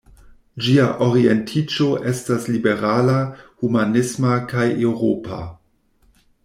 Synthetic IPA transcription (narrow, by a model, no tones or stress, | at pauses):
d͡ʒiaʔo̞ɾie̞ntʰit͡ʃo̞ʔestaslibe̞ɾalahumanismakajewɾopa̰